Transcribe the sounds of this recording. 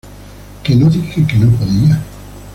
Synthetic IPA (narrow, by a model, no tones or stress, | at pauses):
kenoðixekenopoðia